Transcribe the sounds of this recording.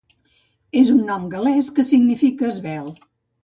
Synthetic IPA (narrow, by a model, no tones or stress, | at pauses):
ezunːɔmɡəlɛskəsiɡnifikəːzβɛlˠ